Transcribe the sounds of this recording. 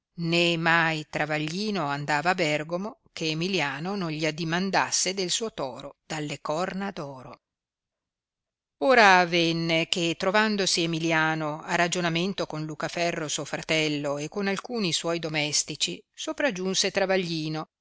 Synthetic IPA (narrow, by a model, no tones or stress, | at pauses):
nemːajt̪ɾavaʎːiːnoand̪aːvaːbɛrɡomokʰeːmiljaːnononʎiad̪imand̪a̰sːed̪elsuːot̪ɔ̰ːɾod̪̥alːekɔrnad̪ɔːɾo | oːɾaːvɛnːek̟et̪ːɾovand̪osiemiljaːnoarːad͡ʒonament̪okonlukafɛrːosuofɾat̪ɛlːoekːonalkuːniswɔjd̪omɛst̪it͡ʃisopɾad͡ʒːunset̪ɾavaʎːiːno